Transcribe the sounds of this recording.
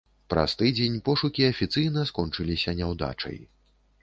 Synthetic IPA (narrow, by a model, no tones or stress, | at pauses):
pɾɐ̰st̪ɨd͡zʲenʲpɔʂukʲiɐfʲit̪sɨjnɐskɔnt͡ʂɨlʲisʲɐnʲɛwd̪a̰t͡ʂɐ̰j